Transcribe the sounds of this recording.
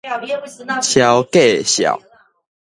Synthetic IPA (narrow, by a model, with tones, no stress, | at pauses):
t͡ɕʰja˨wke˥˨ɕja̰˨˩˦ʊ